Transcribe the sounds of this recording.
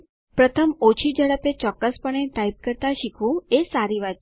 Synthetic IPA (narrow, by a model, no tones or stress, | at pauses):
pɾət̪ʰəmot͡ʃʰid͡ʒəɽəpet͡ʃɔkːəspəɳ̃eʈaib̚kəɾt̪aʃikʰʋũesaɾiʋat̪